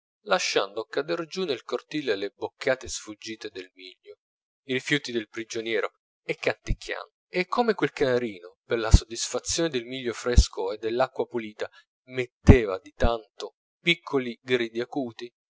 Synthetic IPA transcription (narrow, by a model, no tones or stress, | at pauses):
laʃːa̰nd̪okad̪erd͡ʒunelkort̪iːlelebokʰːaːt̪esfud͡ʒːiːt̪ed̪elmiʎːo | iɾifjuːt̪id̪elpɾid͡ʒonjɛːɾo | ekːant̪ikʰːja̰nd̪oekʰːomekwelkanaɾiːnoperlasod̪ːisfat̪sːjoːned̪elmiʎːofɾeskʰoed̪ːelːakːwapuliːt̪a | met̪ːeːvad̪it̪ant̪o | pikʰːoliɡɾiːd̪iakuːt̪i